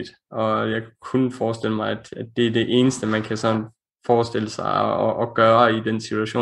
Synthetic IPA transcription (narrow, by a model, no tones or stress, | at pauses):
d̥ | ɒ̽jɑ̈ɪkʰunfɒːsd̥e̝l̰əmɑ̈ɪæd̥ædːe̝æɐd̥e̝ʔe̝ːnəsd̥əmænkʰæsɒ̽n | fɒːsd̥e̝l̰əsɑ̈ɪɒʔːɡ̥ɶːɐid̥ensitʰuæɕo̝̰ː